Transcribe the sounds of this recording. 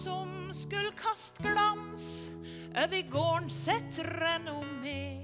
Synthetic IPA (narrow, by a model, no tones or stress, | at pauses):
sɔmskʉlkʰɑst̪ɡlɑns | ʔœʋɪɡoːɳsɛt̪ʰɾɛnʊme